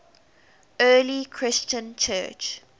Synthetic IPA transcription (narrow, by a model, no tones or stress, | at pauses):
ɜːlikʰɹɪst͡ʃə̃nt͡ʃʰɜːt͡ʃ